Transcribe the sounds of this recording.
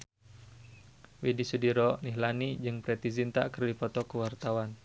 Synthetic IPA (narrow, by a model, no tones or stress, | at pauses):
wedisudiɾɔniɦlanid͡ʒɨŋpɾɛt̪izint̪aʔkərdifɔt̪ɔkəwart̪awan